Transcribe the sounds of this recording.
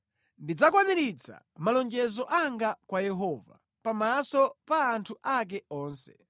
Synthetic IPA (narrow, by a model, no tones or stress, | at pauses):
ndid͡zakwaɲiɾit͡sʰa̰ | malɔnd͡ʒɛzɔʔaŋɡakwajɛɦɔva̰ | pamasɔpaːntʰuʔak̬ɛɔːnsɛ̥